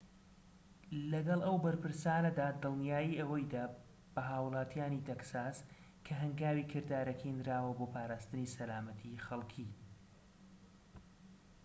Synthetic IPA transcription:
lɐɡɐlˠʔɐwbɐɾpɨɾsaːnɐd̪aːd̪ɨlˠnjaːjiʔɐwɐjd̪aː | b̥ɐɦaːwɨlˠaːt̪ʰjaːnit̪eksaːs | kʰɐɦɐŋɡaːwiːkʰɨɾd̪aːɾɐkind̪ɾaːwɐboːpʰaːɾaːst̪ɨniːsɐlaːmɐt̪ʰixɐlˠkʰiː

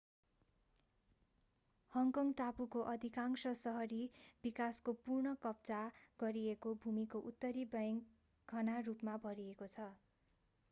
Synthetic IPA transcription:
hʌŋkʌŋɡʈapukoʔʌd̪ʱikaŋsʌsʌɦʌɾibikaskopurɳʌkʌp̚t͡saɡʌɾiekobʱumikoʔut̪ːʌɾibʌjŋ | ɡʱʌnarupmabʱʌɾiekot͡sʰʌ

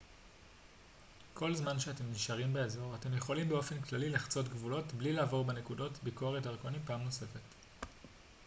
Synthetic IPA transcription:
kʰo̞lzmanʃeate̞mniʃaʁimbeezo̞ʁate̞mje̞χo̞limbeofe̞nklalilaχt͡so̞tɡvulo̞tblilaːvo̞ʁbene̞kudo̞tbiko̞ʁeteʁkonipaːmno̞se̞fe̞t

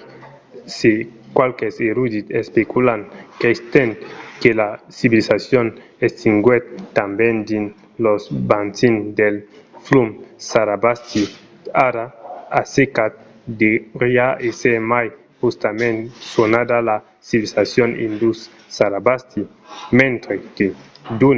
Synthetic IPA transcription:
se | kwalkeseɾud̪it̪espekulankest̪ent̪kelasiβilisasjon | est̪iŋɡwɛt̪ːambɛnd̪in | losbansind̪elflumsaɾabast̪i | aɾaasekat̪̚ | d̪eɾiaesemaj | hust̪amẽnsonad̪ala | siβilisasjonḭnd̪usː | aɾabast̪i | mẽnt̪ɾeked̪un

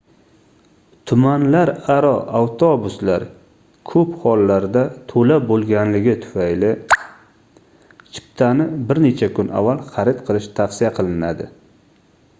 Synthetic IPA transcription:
t̪ʰʊmanlaɾaɾɒawt̪ʰobʊslaɾ | kʰɵphɒlːaɾd̪at̪ʰolabolˠɡʲanlɪɡʲɪt̪ʰʊ̥fajlɪ | t͡ʃʰɪ̥p̚t̪ʰanɪbɪɾne̞t͡ʃʰakʰʊnʔa̰vːalˠχɑɾɪt̪qʰɨlˠɪʃt̪ʰafsɪjaqʰɨlˠɪnad̪ɪ

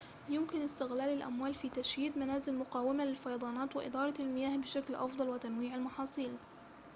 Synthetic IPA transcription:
jʊmkɪnɪst̪ɪɣlaːlalʔa̰mwaːlfiːt̪aʃjiːd̪manaːzɪlmʊqɑːwɪmalɪlfɑjɑd̪ˤɑːnɑːt̪wɪʔɪ̰d̪ɑːɾˤɑlmɪjaːhbɪʃaklʔɑfd̪ˤɑlwɪt̪anwiːʕalmɑħɑːsˤiːl

